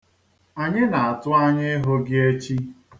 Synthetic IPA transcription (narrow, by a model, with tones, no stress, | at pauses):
a˨ɲɪ˦na˨a˨tʊ˦a˦ɲɪ˦ɪ˦ɦo˦ɡɪ˦e˦t͡ʃi˦